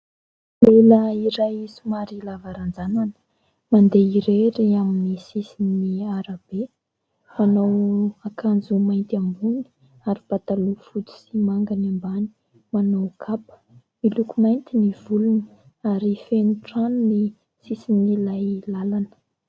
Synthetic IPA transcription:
leləiɾajsumaɾilavaɾand͡zananə̥ | mand̪eiɾeɾiaminisisiniaɾab̥e | manowakʰand͡zumajnt̪ambuni̥ | aɾib̥at̪alufut̪i̥simaŋɡanimbani̥ | manowkʰapə̥ | milukumajnt̪iniv̥ulun | aɾifenuʈ͡ʂanuni | sisinilajlalanə̥

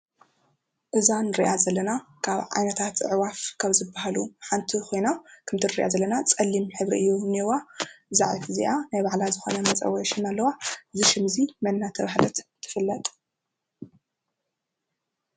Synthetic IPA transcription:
ʔɨzanɨɾiʔazɐlːɐnakʰaβʕa̰jnɐt̪ʰat̪ɨʕwafkʰaβzɨbːahaluħant̪ʰixo̞jnakʰɨmt̪ʰɨnɨɾiʔa̰zɐlːɐnat͡sʼɐlːimħɨβɾḭʔɨjːuniwaza̰ʕit̪ʰɨzḭʔanajβaʕlazɨxonɐmɐt͡sʼɐ̰wɔʃɪnalːɐwazɨʃɪmzimɐnːat̪ʰɐβahlɐt̪t̪ʰːɨ̥fɨlːɐt̪ʼ

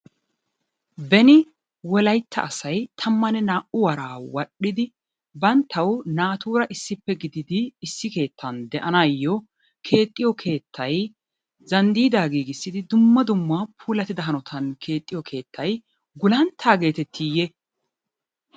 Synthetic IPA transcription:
bɛnɪ | wɔlɐjt̪ʰːɐ̰ʔɐsɐjt̪ʰɐmːɐnɛnaːʔʊwɐɾaːwɐɗːɪd̪ɪ | bɐnt̪ʰːɐwnaːt̪uːɾɐʔɪsːɪpːɛɡɪd̪ɪd̪ɪːsːɪke̞ːt̪ʰːɐnd̪ɛʔɐnaːjːɔ | kʰe̞ːt̪ʼːɪjɔkʰe̞ːt̪ʰːɐj | zɐnd̪iːd̪aːɡiːɡɪsːɪd̪ɪd̪ʊmːɐd̪ʊmːapʰuːlɐt̪ɪd̪ɐɦɐnɔt̪ʰɐnkʰe̞ːt̪ʼːɪjɔkʰe̞ːt̪ʰːɐj | ɡʊlɐnt̪ʰːaːɡe̞ːt̪ɛt̪ʰːijɛ

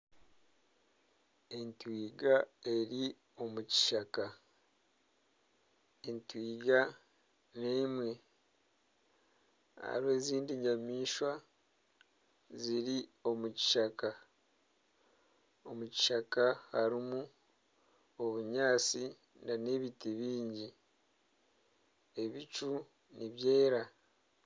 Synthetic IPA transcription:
entwiːɡae̞ɾi | o̞muci̥ʃaka | entwiːɡa | neːmwe̞ | ha̰ɾwe̞ːziːndiɲamiːʃwa | ziɾio̞muci̥ʃaka | o̞muci̥ʃakahaɾimu | oβuɲaːt͡si | nane̞βitiβiːɲɟi | e̞βit͡ʃu | niβje̞ːɾa

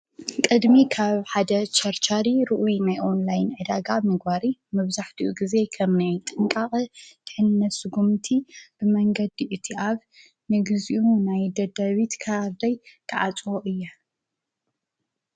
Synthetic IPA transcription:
kʼɨd̪mikʰaβħad̪ɐt͡ʃʰɐɾt͡ʃʰaɾiɾɨʔujinajʔo̞nlajnʕɨd̪aɡamɨɡbaɾimɨβzaħt̪ʰiʔuɡize̞kʰɐmnajt̪ʼɨŋkʼaχʼt̪ʰɨħɨnnːɐt̪sɨɡumt̪ʰib̥ɨmɐŋɡɐd̪iʔɨt̪ʰiʔaβ | nɨɡɨziʔunajd̪ɐd̪aβit̪kʰaɾd̪ɐjkʰɨʕat͡sʼwoʔɨjːɐ

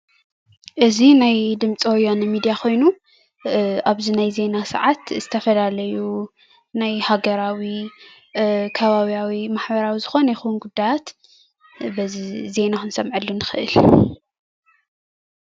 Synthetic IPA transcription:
ʔɨzinajd̪ɨmt͡sʼiwojanɨmid̪ijakʰo̞jnu | aβzinajze̞nasɐ̰ʕat̪z̥ɨt̪ʰɐfɐlalɐju | najhaɡɐɾawi | kʰɐβaβijawimaħbɐɾawizɨxo̞nɐjɛxɨwunɡud̪ːajat̪ | bɐzize̞naxɨnsɐmʕɨlːunɨxɨʔɨ̰l

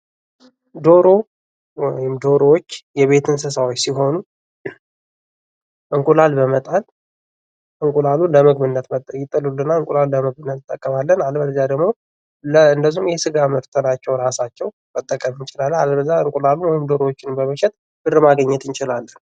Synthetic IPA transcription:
d̪o̞ɾo̞ | wjɪmd̪o̞ɾoot͡ʃːjɛβe̞t̪ʰɨns̬ɨsawot͡ʃːsiɦo̞nu | ʔɨŋkʼulalbəmət̪ʼal | ʔɨŋkʼulaluləməɡmɨnːət̪məjɪt̪ʼːɨlulːɨnːaɨŋkʼulaluləməɡmɨnːət̪ɨt̪ʼːəkʼːəmalːənalbələzːad̪əɡmo̞ | lɨnd̪əzːumjɛsɨɡaməɾt̪ʰənat͡ʃːɛwɾasat͡ʃːɛw | mət̪ʼːəkʼəmɨnt͡ʃɪlalːalbəzːaɨŋkʼulaluwɔjɪmd̪o̞ɾowot͡ʃːɪnmbəməʃɛt̪̚ | b̥ɨrɨmaɡəɲːɛt̪ɨnt͡ʃɪlalːən

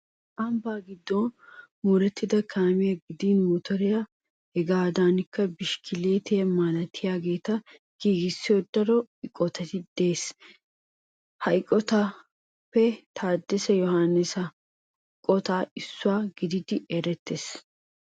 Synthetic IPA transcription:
ɐmbaːɡɪd̪ːɔnmuːɾɛt̪ːɪd̪ɐkʰaːmɪjɐɡɪd̪iːnmɔt̪ɔɾɪja | hɛɡaːd̪aːnɪkːɐbɪʃkʰɪleːt̪ɛmaːnɐt̪ʰːɪjaːɡe̞ːt̪ɐ | ɡ̥iːɡɪsːɪjod̪ɐɾɔɪkʼːɔt̪ɐt̪ɪd̪̥e̞ːs | hɐjkʼːɔt̪ɐ | pːɛt̪ʰaːd̪ːɛsɛjɔhanːɪsɐ | kʼːɔt̪aːɪsːʊwaːɡɪd̪ɪd̪ɪɛɾɛt̪ːes

